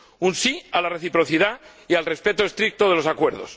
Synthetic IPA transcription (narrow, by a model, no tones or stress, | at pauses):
unsialare̞θipɾo̞θiða | ialrespe̞t̪ost̪ɾik̚t̪oð̞e̞lo̞sakwe̞ɾð̞o̰s